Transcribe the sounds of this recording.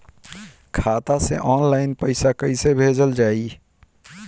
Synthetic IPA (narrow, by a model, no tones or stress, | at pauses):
kʰat̪asḛʔɔnlaɪnpəɪsakəɪsebʱed͡ʒəld͡ʒaːi